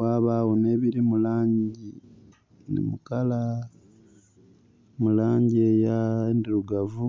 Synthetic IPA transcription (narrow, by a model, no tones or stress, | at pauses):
waːβawone̞ːβiɾimulaːɲɟi | nḭmukala | mulaːɲɟiejaendiɾuɡavu